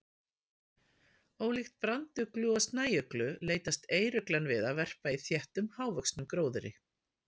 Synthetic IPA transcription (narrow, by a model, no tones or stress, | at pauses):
oːwlixt̪̚pɾant̪ʏklʏɔst̪naːjœklʏleːjt̪ast̪eːjɾʏklanvɪðavɛr̥paiθjɛht̪ʏmhaːwvœksnʏmkɾoːwðʏɾɪ̰